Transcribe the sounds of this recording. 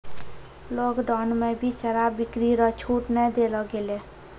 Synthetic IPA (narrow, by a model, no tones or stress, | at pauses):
loɡɖɔnmebʱisəɾabikɾiɾɔt͡ʃʰuʈnɛd̪elɔɡele